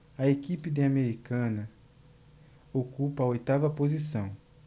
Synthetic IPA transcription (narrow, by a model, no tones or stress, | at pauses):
ɐekipɪd̪ɪameɾikɐ̃nɐ | okupɐojt̪avɐpozisɐ̃w̃